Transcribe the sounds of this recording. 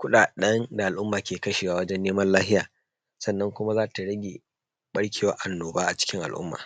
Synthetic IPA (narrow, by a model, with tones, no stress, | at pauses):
kʷʊ˦ɗaː˨ɗɐ˦nda˨ʔa˨lʔʊ˦mːaː˨kʲeː˨kɐ˦ʃiː˨waː˨wɐ˦d͡ʒɛ˦nːeː˦mɐ˦nlaː˦ɦɪ˦ja̰ː˨ | sɐ˦˨nːɐ˦ŋkʷʊ˦ma˦zaː˦ta˨ɽɐ˦ɡʲe˨ | ɓɐ˦ɽkʲeː˨waː˦ʔa˨nːoː˨baː˦ʔa˨t͡ʃɪ̥˦kʲɪ˦ŋʔa̰˨lʔʊ̰˦mːa̰ː˨